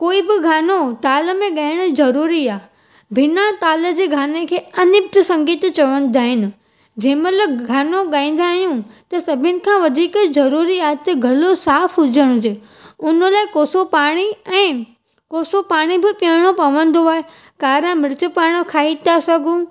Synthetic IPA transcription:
koːibɪɡʱaːnot̪aːləmẽɠaːɪɽ̃ʊ̆zɐɾuːɾiaː | bʱɪnat̪aːləd͡ʑeːɡʱaːnekʰeːɐnɪb̚t̪sɐ̃ŋɡiːt̪t͡ɕɐʋə̃nd̪aːɦɪnɪ̆ | d͡ʑɛ̃ːmɐləɡʱaːnoɠaːĩːn̆d̪aːɦijũt̪ɐsɐbʱɪnɪ̆kʰãːʋɐd̪ʱiːkzɐɾuːɾiaːɦt̪ɐɡʱɐlosaːfɦʊd͡ʑəɽ̃ʊ̃d͡ʑeː | ʊnəlaːɪkoːsopaːɽ̃iɛ̃ː | koːsopaːɽ̃ibɪpə̃ɽ̃opɐʋə̃nd̪oaːe | kaːɾãmɪɾɪt͡ɕəpaːɽ̃ə̆kʰaːit̪ʰasɐɡʱũ

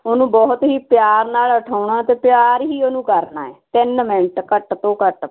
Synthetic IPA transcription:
oːnũːbɔːt̪ɦiːpjaːɾnaːləʈʰaːʊɳaːt̪eːpɪjaːɾɦiːoːnũːkəɾna̰ːɛːt̪ɪnmɪɳʈkəʈt̪õːkəʈ

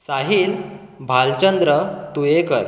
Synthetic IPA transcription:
saɦiːlbʱalt͡ɕənd̪ɾət̪uekəɾ

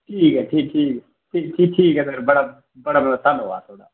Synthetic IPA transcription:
ʈʰiːkɦɛːʈʰiːk̚ʈʰiːkɛ | ʈʰiːkʈʰiːk̚ʈʰiːkɛd̪əɾbəɽaː | bəɽaːbəɽaːt̪ʰanɦoa̰ːt̪ʰoːɽa̰ː

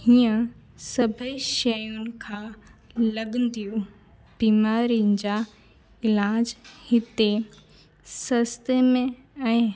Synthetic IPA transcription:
hiːə̃ | sɐbʱəiʃɐjʊnɪ̆kʰãːlɐɠə̃nd̪iju | b̥iːmaːɾiʊnɪ̆d͡ʑaː | ɪlaːd͡ʑhɪt̪e | sɐst̪emẽ | ɛ̃ː

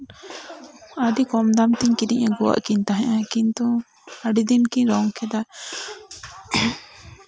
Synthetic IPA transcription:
aɖikɔmd̪amt̪iɲkid̪iɲaɡɔwa̰ʔkiɲt̪aɦɛ̃ʔãkint̪u | aɖid̪inkiɲɾɔŋkʰɛd̪a

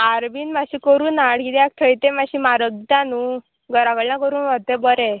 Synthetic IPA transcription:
aɾbiːnmaɕikəɾuːnaɽkit̪ɛak̚t̪ʰəjt̪ẽmaɕimaɾəɡd̪anu | ɡəɾaɡəɭnãkəɾuːnʋat̪ebəɾe

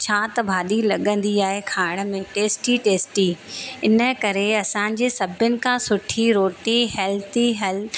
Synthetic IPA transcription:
t͡ɕʰaːt̪ɐbʱaːɗilɐɠə̃nd̪iaːɦekʰaːɪɽ̃əmẽʈeːsʈiʈeːsʈiɪnə̆kɐɾeɐsãːɲ̆d͡ʑeːsɐbʱjənɪ̆kʰãːsʊʈʰiɾoːʈiɦɛːlt̪ʰiɦɛl

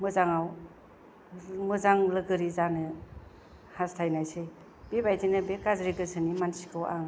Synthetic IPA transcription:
mɯzaŋaw | mɯzaŋlɯɡɯɾizanɯ | hastʰajnajse | b̥ebajtinɯbekazɾiɡɯsʰɯnimansi̥kʰɯwa̰ŋ

